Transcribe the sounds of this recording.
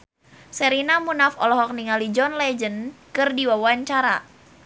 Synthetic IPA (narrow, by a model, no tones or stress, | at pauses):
sɛɾinamunafɔlɔɦɔk̚niŋalid͡ʒɔnlɛd͡ʒənkɨrdiwawaɲt͡ʃaɾa